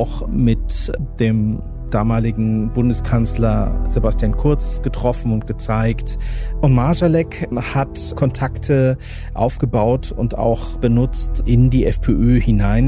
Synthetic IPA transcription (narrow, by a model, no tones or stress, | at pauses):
ʊxmɪtd̥eːm | d̥aːmaːlɪɡŋ̩bʊndəskʰanslɐz̥ebastjaːnkʰʊɐt͡sɡ̥ətʁ̥ɔfn̩ʊnt̚ɡ̥ət͡saɪktʔʊnmaɐʒalɛkhat | kʰɔntʰaktʰə | ʔa̰ʊfɡ̥əbaʊtʊ̰nta̰ʊxb̥ənʊt͡stʔɪndiːʔɛfpʰeːʔøːhɪnaɪn